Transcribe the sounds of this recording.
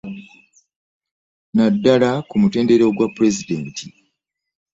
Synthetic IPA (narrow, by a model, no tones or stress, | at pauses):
nadːalakumute̞ːnde̞ɾeoɡwapːuɾe̞zide̞ːntʰi